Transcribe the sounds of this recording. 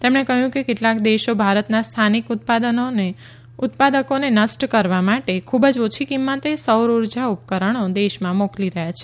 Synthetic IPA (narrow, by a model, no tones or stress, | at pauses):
t̪emɳekəɦjũkekeʈlakd̪eʃobʱaɾət̪nast̪ʰanikut̪̚pad̪ənone | ut̪pad̪əkonenəsʈkəɾʋamaʈekʰubəd͡ʒot͡ʃʰikimːət̪esəwɾuɾd͡ʒaup̚kəɾəɽ̃od̪eʃmãmokliɾəɦjat͡ʃʰe̥